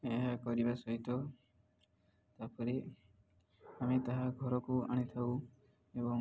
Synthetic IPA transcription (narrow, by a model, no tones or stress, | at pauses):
eɦakɔɾibasɔɦit̪ɔ | t̪apɔɾe | amet̪aɦaɡʱɔɾɔkuaɽ̃it̪ʰaw | ebɔŋ